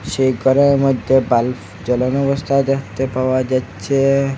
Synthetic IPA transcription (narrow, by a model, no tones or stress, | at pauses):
ɕekəɾẽməd̪ʱjebalf | d͡ʑələnuʋəst̪ʰad̪at̪epaʋad͡ʑat͡ɕe